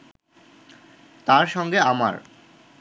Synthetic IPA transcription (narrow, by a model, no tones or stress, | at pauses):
t̪aɾʃɔŋɡeama̰ɾ